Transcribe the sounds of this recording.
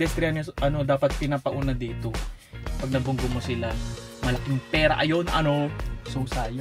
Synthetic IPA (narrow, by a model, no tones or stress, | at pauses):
ɛst̪ɾɪanoʔɐno̞d̪aːpɐt̪̚pɪnaːpɐʔuːnɐd̪iːt̪o | pɐɡ̚nɐɡbʊŋɡʊmosɪla | mɐlɐkɪŋpɛːɾa̰ʔɐjonʔɐnosʊsaːjo